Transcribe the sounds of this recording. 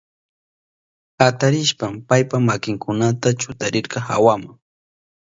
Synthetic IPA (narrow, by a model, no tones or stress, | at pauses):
at̪aɾɪʃpampajpamakɪŋkʊnat̪at͡ʃʊt̪aɾɪɾqɑxa̰wamaŋ